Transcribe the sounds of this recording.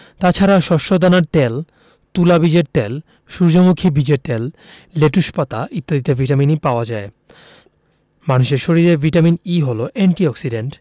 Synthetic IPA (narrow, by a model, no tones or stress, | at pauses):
t̪at͡ɕʰaɾaʃɔʃod̪anaɾt̪ɛl | t̪ulabid͡ʑeɾt̪ɛl | ʃuɾd͡ʑomukʰibid͡ʑeɾt̪ɛlː | eʈuʃpat̪aʔit̪ːad̪it̪evʱiʈaminipaoad͡ʑae | manuʃeɾʃoɾiɾeɾvʱiʈaminiɦoloʔeɳʈiɔksiɖeɳʈ